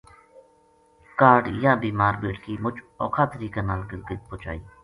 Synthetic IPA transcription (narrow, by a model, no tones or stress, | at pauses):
kaːɖjãːbiːmaːɾbeːʈkiːmʊd͡ʒ | ɔ̰ːkʰaːt̪əɾiːkãːnaːlɡlɡəd̪̚poːt͡ʃa̰ːiː